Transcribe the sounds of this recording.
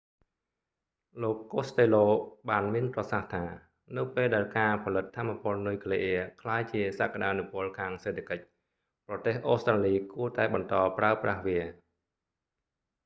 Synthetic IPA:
loːkːoːst̪eːloːɓaːnmiənprɑsaht̪ʰaː | nɨwpeːlɗaɛlkaːpʰɑlɨt̪ʰːaːmːapʊ̆əlnujkʰleʔɛəkʰlaːjt͡ɕiəsaːkaɗaːnupʊ̆əlkʰaːŋseːt̪ʰːḁkəc̚ | prɑt̪eːhʔoːst̪raːliːkuət̪aɛɓɑnt̪ɑːpraəprahʋiə

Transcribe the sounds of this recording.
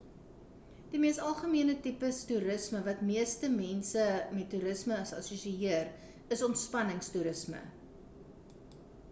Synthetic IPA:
d̥imiəstɐlˠχəmiənətipəstuɾəsməvɐtmiəstəmɛnsəmɛtːuɾəsməːsɐ̰susiiər | əsɔntspɐnəŋstuɾəsmə̰

